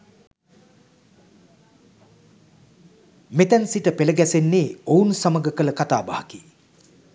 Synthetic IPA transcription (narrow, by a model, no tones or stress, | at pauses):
met̪ænsiʈəpeləɡæsenːeːounsaməɡəkələkat̪aːbahaki